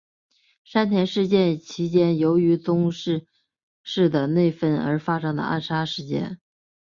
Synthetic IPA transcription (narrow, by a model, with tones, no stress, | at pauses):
ʂa˥nt̪ʰjɛ˧˥nʂɻ̩˥˧t͡ɕjɛ˥˩nt͡ɕʰi˧˥t͡ɕjɛ˥njo˧˥ʊy˧˥t͡sʊ˥ŋʂɻ̩˥˧ | ʂɻ̩˥˩d̪ə˩ne˥˩ɪfə˥˩nə̰˞˧˥fa˥ʂɤ˥ŋd̪ə̰˧ʔa̰˥˩nʂa˥ʂɻ̩˥˩t͡ɕjɛ̰˥˩n